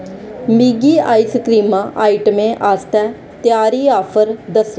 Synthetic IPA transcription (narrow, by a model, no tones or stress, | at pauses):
miːɡiːa̰ːisəkɾiːmãːʔaːiʈmẽːʔaːst̪ɛː | t̪jaːɾiːaːpʰəɾd̪əs